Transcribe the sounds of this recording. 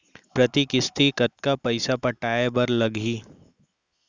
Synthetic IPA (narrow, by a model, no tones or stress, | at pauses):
pɾɐt̪ikɪst̪ikɐt̪̚kapɐɪsapɐʈaːebɐɾlɐɡʱiː